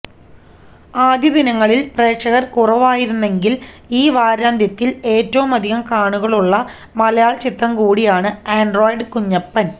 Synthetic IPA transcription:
aːd̪ʱjɐd̪inɐŋːɐɭilpreːkʂɐɣɐrkurɐʋaːjiɾunːe̞ŋɡil | iːʋaːɾaːnd̪ʱjɐt̪ːile̞ːtːɐʋumɐd̪ʱiɣɐmkaːɳuɣɐɭuɭːɐ | mɐlɐjaːɭt͡ɕit̪rɐmkuːɽijaːɳɨaːɳɖro̞ːjɖɨkuɲːɐpːɐn

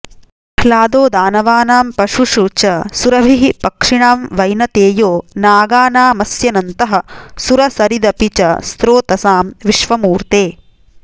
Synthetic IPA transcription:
kʰlaːd̪oːd̪aːnɐʋaːnaːmpɐʂuʃuːt͡ʃɐsuɾɐbʱiɦipɐkʂiɳaːmʋɐjnɐt̪eːjoːnaːɡaːnaːmɐsjɐnɐnt̪ɐɦɐ̆suɾɐsɐɾid̪ɐpit͡ʃɐ̰st̪ɾoːt̪ɐsaːmʋiʂʋɐmuːɾt̪eː

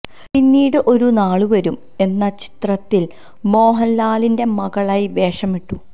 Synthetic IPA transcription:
pinːiːɽɨʔo̞ɾunaːɭuʋɐɾum | e̞nːɐt͡ɕi̥t̪rɐt̪ːil | mo̞ːɦɐnlaːlinde̞mɐɣɐɭaːjiʋe̞ːʂɐmiʈːu

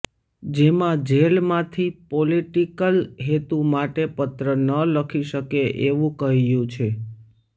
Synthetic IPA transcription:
d͡ʒemãd͡ʒelmãt̪ʰipoliʈikəlɦet̪umaʈepət̪ɾənələkʰiʃəkeʔeʋũkəɦijũt͡ʃʰe

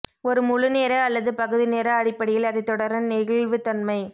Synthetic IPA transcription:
ɔɾɯmʊlɯneːɾɐɐlːɐðɯpɐɣɯðɪneːɾɐɐɽɪpːɐɽɪjɪlɐðɐɪt̪ːɔɽɐɾɐnnɛɣɪɭʋɯt̪ɐnmɐɪ

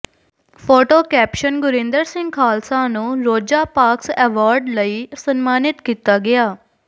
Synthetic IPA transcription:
pʰoːʈoːkɛːpʃənɡʊɾɪ̃nd̪əɾsɪ̃ŋɡkʰaːlsãːnũːɾoːd͡ʒaːpaːksɛːʋaːɾɖləiːsənmaːnɪt̪kiːt̪aːɡɪaː

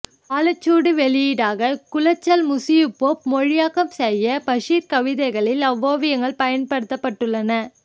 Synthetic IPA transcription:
aːlɐt͡ʃːuːɽɯʋɛɭɪjiːɽaːɣɐkʊlɐt͡ʃːɐlmʊsɪjɯpːoːp̚mɔɻɪjaːkɐmsɛjɐpɐʂiːɾkɐʋɪðɐɪɣɐɭɪlɐʋːoːʋɪjɐŋɡɐɭpɐjɐnpɐɽɯt̪ːɐpːɐʈːɯɭːɐnɐ

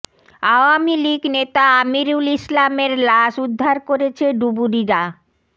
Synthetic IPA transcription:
aoamiliɡnet̪aamiɾulislameɾlaʃud̪ʱːaɾkoɾet͡ɕʰeɖubuɾiɾa

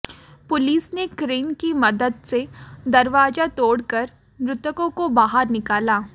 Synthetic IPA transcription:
pʊliːsnekɾiːnkimɐd̪əd̪sed̪ɐɾʋaːd͡ʒat̪oːɽkɐɾ | mɾʊt̪əkõkobaːɦəɾnɪkaːlaː

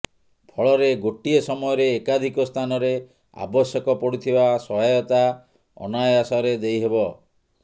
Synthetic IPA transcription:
pʰɔɭɔɾeɡoʈiesɔmɔjɔɾeːkad̪ʱikɔst̪ʰanɔɾe | a̰bɔsjɔkɔpɔɽit̪ʰibasɔɦajɔt̪a | ɔ̰najasɔɾed̪ejɦebɔ

